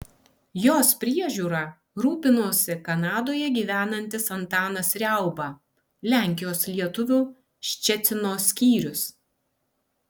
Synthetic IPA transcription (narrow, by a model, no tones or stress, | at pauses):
joːspʲɾʲiɛʒʲuːɾɑˑ | ɾuːpʲɪnoːsʲɪkɐnɑːd̪oːjɛɡʲiːʋʲæːnɐnʲt̪ʲɪsɐnt̪ɑːnɐsɾʲɛˑʊbɑ | lʲæˑŋʲkʲɪjoːslʲiɛt̪ʊʋʲʊ | ʃʲt͡ʃʲɛt̪sʲɪnoːsʲkʲiːɾʲʊs